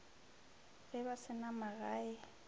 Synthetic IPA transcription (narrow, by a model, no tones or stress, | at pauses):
ɣɪbasɪnamaɣaːɪ